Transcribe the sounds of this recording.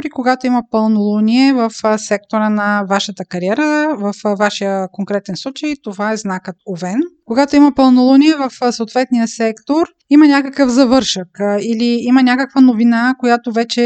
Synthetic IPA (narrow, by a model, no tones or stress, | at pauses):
ɾikoɡat̪oimɐpɐlˠnolˠoniɛvəfsɛk̚t̪oɾənɐvaʃət̪əkɐɾiɛɾəvɐfvaʃijəkoŋkɾɛt̪ɛnslˠut͡ʃəjt̪ovaɛznakət̪ovɛnkoɡat̪oimɐpɐlˠnolˠoniɛvɐfsəot̪vɛt̪nijəsɛkt̪oɾ | imɐnʲakəkəfzɐvɤɾʃəkiliimɐnʲakəkvənovinakojat̪ovɛt͡ʃɛ